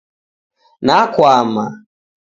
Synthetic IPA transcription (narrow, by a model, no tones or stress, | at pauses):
nakwama